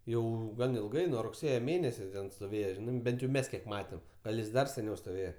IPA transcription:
ˈjɛʊ ˈɡɐn ɪlˠˈɡɐɪ nuɔ rʊkˈsʲeːjɛ ˈmʲeːnʲɛsʲɛ ˈtʲɛn stoːˈʋʲeːjɛ ˈʒʲɪnɐɪ ˈbʲɛnt jɛʊ ˈmʲɛs ˈkʲiɛk ˈmɑːtʲɛm ˈɡɐlˠ jɪs ˈdɐr sʲɛˈnʲɛʊ stoːˈʋʲeːjɛ

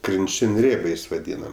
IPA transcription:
krʲɪnʲˈt͡ʃʲɪnʲ ˈrʲeːbʲɛɪs ʋɐˈdʲiːnɐm

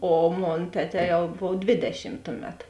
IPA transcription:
oː ˈmoːn ˈtʲæːˌtʲɛː ˈjɛʊ ˈboːw ˈdʲʋʲeːdʲɛʃʲɪm ˈtʊˌmʲɛt

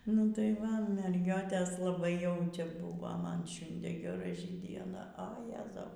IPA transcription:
nʊ tɐɪ ˈʋɐ mʲɛrʲˈɡʲoːtʲeːs lˠɐˈbɐɪ jɛʊ ˈt͡ʃʲɛ ˈbʊʋoː ˈmɐn ˈʃʲʊnʲdʲeː ɡʲɛˈrɐɪ dʲiɛˈnɐ ɐ ˈjæːzɐʊ

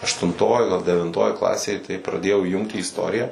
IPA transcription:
ɐʃtʊnˈtoːj ˈɡɐlˠ dʲɛʋʲɪnˈtoːj ˈklˠɑːsʲeːj tɐɪ prɐˈdʲeːjɛʊ iːˈjʊŋkt iː ɪsˈtoːrʲɪjæː

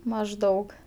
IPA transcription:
mɐʒˈdɐʊk

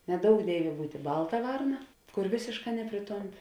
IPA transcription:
nʲɛˈdoːʊk ˈdʲeːɪʋʲeː ˈbuːtʲeː ˈbɐlˠtɐ ˈʋɐrnɐ ˈkʊr ˈʋʲeːsʲeːʃˌkɑː ˈnʲæːpʲrʲɪˌtoːmʲˌpʲɪ

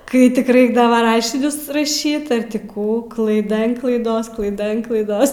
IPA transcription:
ˈkɐɪ tʲɪk ˈrɐɪɡdɐʋɐ ˈrɑːʃʲɪnʲʊs rɐˈʃʲiːt ɐr ˈtʲɪ ˈkuː klˠɐɪˈdɐ ɐn klˠɐɪˈdoːs klˠɐɪˈdɐ ɐn klˠɐɪˈdoːs

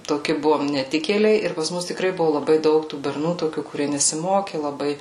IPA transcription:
toːˈkʲɪ ˈbʊʋoːm nʲɛˈtʲɪkʲeːlʲɛɪ ɪr pɐs ˈmʊs tʲɪˈkrɐɪ ˈbʊʋʊ lˠɐˈbɐɪ ˈdɐʊk tuː bʲɛrˈnuː toːˈkʲuː kʊˈrʲiɛ nʲɛsʲɪˈmoːkʲɪ lˠɐˈbɐɪ

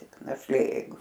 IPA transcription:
tʲɪk nɐʃʲˈlʲeː jɛɪˈɡʊ

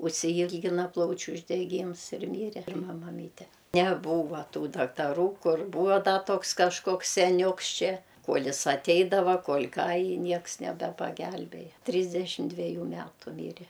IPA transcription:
ʊʃʲsʲɪˈiːlʲɡʲɪnɐ ˈplˠɐʊt͡ʃʲʊ ʊʒʲdʲɛˈɡʲiːms ɪr ˈmʲiːrʲɛ pʲɪrˈmɐ mɐˈmʲiːtʲɛ nʲɛˈbuːʋɐ ˈtuː dɐktɐˈruː ˈkʊr ˈbuːʋoː ˈdɐ ˈtoːks kɐʃˈkoːks sʲɛˈnʲuːks ˈt͡ʃʲɛ ˈkuɔlʲ ˈɪs ɐˈtʲɛɪdɐʋɐ kuɔlʲ ˈkɑː ɪ ˈnʲiɛks nʲɛbʲɛpɐˈɡʲɛlʲbʲeːjɛ ˈtʲrʲiːzʲdʲɛʃʲɪm dʲʋʲɛˈjuː ˈmʲæːtʊ ˈmʲiːrʲɛ

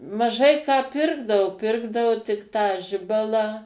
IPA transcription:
mɐˈʒɐɪ kɑː ˈpʲɪrɡdɐʋoː ˈpʲɪrɡdɐʋoː tʲɪk ˈtɑː ˈʒʲɪbɐlˠɑː

